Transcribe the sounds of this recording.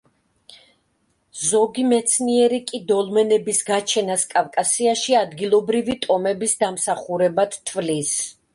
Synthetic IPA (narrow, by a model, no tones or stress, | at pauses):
zɔɡimɛt̪sʰniɛɾikʼid̪ɔlmɛnɛbisɡat͡ʃʰɛnaskʼavkʼasiaʃiad̪ɡilˠɔbɾivit̪ʼɔmɛbisd̪amsaχuɾɛbat̪ʰt̪ʰvlis